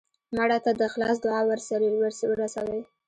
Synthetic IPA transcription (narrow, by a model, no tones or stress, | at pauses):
maɽat̪ad̪əxlɑsd̪ʊʕɑwəɾsaɾewəɾswəɾasawəj